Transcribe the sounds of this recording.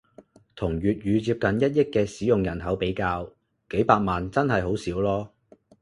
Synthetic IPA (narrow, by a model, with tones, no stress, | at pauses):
t̪ʰʊ˨˩ŋɥyː˨t̚jyː˨˧t͡siː˧p̚kɐ˨njɐ˥t̚jɪ˥kːɛː˧siː˨˥jʊ˨ŋjɐ˨˩nɦɐ˨˥wpe˨˥jkaː˧w | ke˨˥jpaː˧k̚maː˨nt͡sɐ˥nɦɐ˨jɦo˨˥wsiː˨˥wlɔː˥